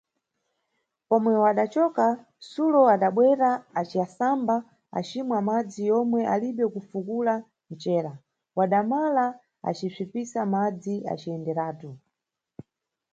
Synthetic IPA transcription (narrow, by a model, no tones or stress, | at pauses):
pɔmwɛwaɗat͡ʃɔka | sulɔaɗaɓwɛɾaːt͡ʃiasamba | a̰t͡ʃimwamad͡zijɔmwɛʔaliɓɛkufukula | n̩t͡ʃɛːɾa | waɗamala | a̰t͡ʃip͡ʂipisamad͡ziʔa̰t͡ʃiɛndɛɾaːtu